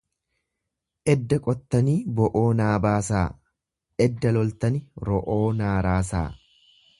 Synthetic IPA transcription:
ʔɛd̪ːɐkʼɔt̪ːɐniːbɔʔoːnaːbaːsaː | ʔɛd̪ːɐlɔlt̪ɐnɪɾɔʔoːnaːɾaːs̬a̰ː

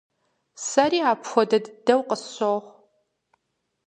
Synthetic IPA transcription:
sɐɾiːaːpxʷɔdɐdɨdɐwqəsoʁʷ

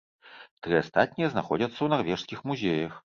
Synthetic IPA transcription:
t̪ɾɨast̪at̪̚ʲnʲijɐznaxɔd͡zʲɐt̪sːɐwnarvʲɛʂskʲixmuzʲejɐx

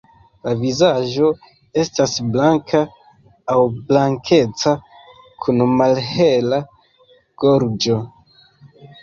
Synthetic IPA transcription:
lavizaʒo̞ | e̞stasblaŋkʰaː | wblaŋkʰe̞t͡sa | kʰunmalhe̞la | ɡ̥o̞ɾd͡ʒo̞

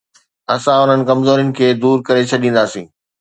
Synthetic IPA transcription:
ɐsãʊn̤ənɪ̆kɐmzoːɾijʊnɪ̆kʰeːd̪uːɾkɐɾet͡ɕʰɐɗĩːn̆d̪aːsḭ̃ː

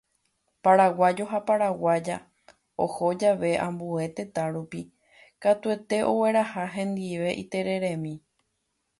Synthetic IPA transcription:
paɾawad͡ʒo̞ɦapaɾawad͡ʒa̰ | o̰ho̞d͡ʒaʋe̞ʔã̰mbue̞t̪e̞t̪ãɾupi | kat̪ue̞t̪e̞ʔo̞we̞ɾahaɦẽ̞nd̪iʋe̞ʔḭt̪e̞ɾe̞ɾẽmĩ

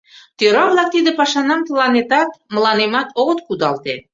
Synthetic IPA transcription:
t̪øɾɑβlˠɑk̚t̪id̪ɘ̆pɑʃɑnɑmt̪əlˠɑnet̪ɑt̪mə̆lˠɑnemɑt̪oʁət̪kud̪ɑlˠt̪e

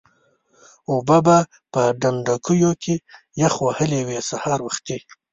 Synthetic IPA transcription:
ubaba | pəɖanɖakujokʰe | jaxwahəlewesahɑːɾwaxt̪i

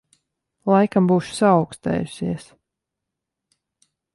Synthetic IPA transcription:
lˠajkambuːʃu̥saːwkst̪ɛ̰ːjusiɛs

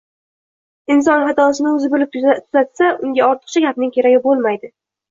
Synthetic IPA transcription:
ɪns̬ɒnɦat̪ɒsɪnɪɵzɪbɪlɪp̪̚ʰt̪ʰʊzat̪saʔʊŋɡʲaɒɾt̪ʰɨ̥q̚t͡ʃʰaɡʲapnɪŋkʲe̞ɾaɡʲɪbolˠmajd̪ɪ

